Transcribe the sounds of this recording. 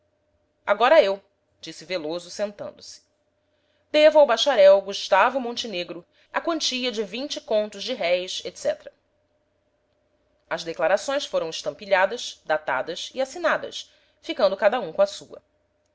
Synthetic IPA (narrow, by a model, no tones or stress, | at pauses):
a̰ɡɔɾɐew | d͡ʒisɪvelozʊsẽnt̪ɐ̰̃nd̪ʊsɪ̥ | d̪evʊawbaʃaɾɛwɡuʃt̪avʊmõnt͡ʃineɡɾʊ | ɐkɐ̃nt͡ʃiʎɐd͡ʒɪvĩnt͡ʃɪkõnt̪ʊzd͡ʒɪɦɛjset̪sɛ̰t̪ɾɐ | ɐzd̪eklaɾasõj̃sfoɾɐ̃w̃ɪʃt̪ɐ̃mpiʎad̪ɐsd̪at̪a̰d̪ɐsiasinad̪ɐ̰s | fikɐ̃nd̪ʊkad̪ɐũkõɐsuɐ̰